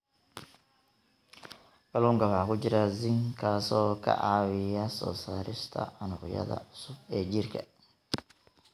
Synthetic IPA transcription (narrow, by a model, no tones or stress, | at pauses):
ɡɐluːŋkɐwɑħɑkʊt͡ʃɪɾazɪŋkʰaːsɔːkʰɐ̰ʔaːwɪjɐsɔ̰ːsaːɾɪʃt̪ʰɐ̰ɐnʊqjɐ̰ðɐ̰ʊsʊbɛːd͡ʒɪrkʰɐ̰